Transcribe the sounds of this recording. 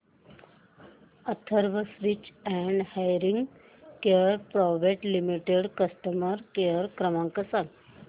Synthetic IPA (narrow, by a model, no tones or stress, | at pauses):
ət̪ʰəɾʋəsɾit͡ɕɛɳɖhajɾiŋɡ | keɾpɾɔʋeʈlimiʈeɽkəsʈəməɾkeɾkɾəmãŋkəsãŋ